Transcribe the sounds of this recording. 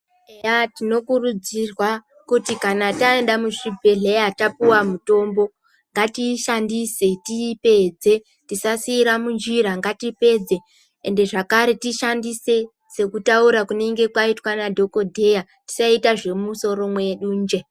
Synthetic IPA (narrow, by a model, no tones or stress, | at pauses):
eatino̞kurud͡zirwa | kutikanatae̞ndamuʂibʱe̞ɮejatapuwamuto̞mbo̞ | ŋɡatiʃandise̞tipe̞d͡ze̞ | tisasiːɾamund͡ʒiɾaŋɡatipe̞d͡ze̞ | ende̞ʐakaɾe̞tiʃandise̞ | se̞kutauɾakune̞ŋɡe̞kwaitwanadʱo̞ko̞dʱe̞ja | ti̥saitaʐe̞muso̞ɾo̞mwe̞ɗuːnd͡ʒe̞